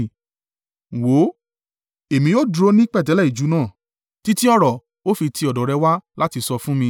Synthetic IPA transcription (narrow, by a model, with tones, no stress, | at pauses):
wo˨˦ | e˨mĩ˧jo˦˨dɾo˧˦nĩ˦k͡pɛ˦˨t̬ɛ˨˦lɛ˦˨i˨d͡ʒu˨˦nãː˦˨ | ti˦ti˦ɔ˦ɾɔ˨ | o˦fi˧tʰi˧ɔ˨dɔ̃˨ɾɛ˧wa˦la˦ti˧sɔ˧fũ˦mĩ˧